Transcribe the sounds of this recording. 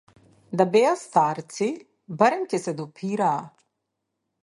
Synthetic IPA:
d̪abɛjast̪aɾt̪si | baɾɛmcɛsɛd̪ɔpʰiɾaː

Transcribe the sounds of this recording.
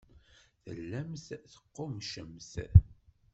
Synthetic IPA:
θə̰lːæmθθə̥qːomʃəmθ

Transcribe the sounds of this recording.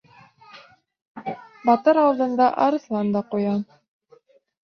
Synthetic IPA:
bɑt̪ɤɾɑlˠd̪ɤ̆nd̪ɑʔɑɾɤ̆slˠɑnd̪ɑqujɑn

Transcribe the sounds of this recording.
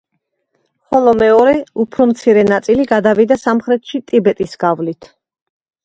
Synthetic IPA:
χɔlˠɔmɛɔɾɛupʰɾɔmt̪sʰiɾɛnat̪sʼiliɡad̪avid̪asamχɾɛt̪ʰʃit̪ʼibɛt̪ʼisɡ̥avlit̪ʰ

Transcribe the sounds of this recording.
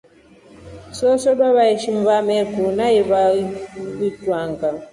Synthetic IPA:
sɔsɔɗwaβaiʃim̩vamɛkunaiβa | itwaŋɡa

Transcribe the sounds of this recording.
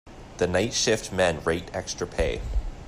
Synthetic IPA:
ðənaɪtʃɪftmæ̃nɹeɪtɛkstɹ̥əpʰeɪ

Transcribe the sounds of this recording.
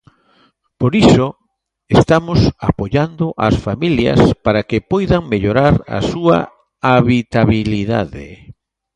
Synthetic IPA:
poɾiso | est̪amʊsa̰poʎand̪oʔa̰sfamiljɐ̰spaɾakɪpɔjðaŋmeʎoɾaɾa̰sua̰ | aβit̪aβiliða̰ðḛ

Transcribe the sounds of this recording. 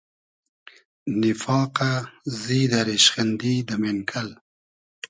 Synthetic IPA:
nɪfɑːqazid̪aɾeʃxand̪id̪əmenkʰal

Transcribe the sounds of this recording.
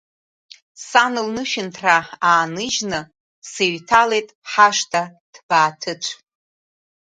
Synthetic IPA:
sanɨlnɨʃɪntʰraaːnɨʒnɨ | seɥtʰale̞jtʼħaʃtʰad̥b̥aːtʰɨt͡ʃʷʰ

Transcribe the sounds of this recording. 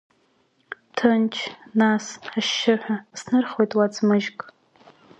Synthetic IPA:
tʰɨnt͡ʃʰnasħaʃːɪħʷᶣasnɨrχojtʼwad͡zmɨʒkʼ

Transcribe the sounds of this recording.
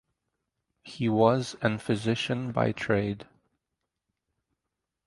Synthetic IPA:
hiwʌzɨ̃nfɨzɪʃɨ̃nba̰ɪtʰɹ̥eɪd̥

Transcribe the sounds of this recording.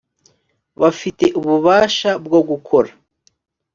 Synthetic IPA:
βafite̞ʔuβuβaːʃabɡoɡukʰo̞ɾa

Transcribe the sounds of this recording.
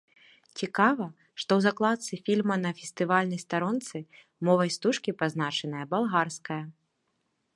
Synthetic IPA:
t͡sʲikavɐ | ʂt̪ɔwzaklˠat̪sɨfʲilʲmɐnɐfʲɛst̪ɨvalʲnɐjst̪aɾɔnt̪sɨ | mɔvɐjst̪uʂkʲipaznat͡ʂɛnɨjɐbalˠɣarskɐjɐ

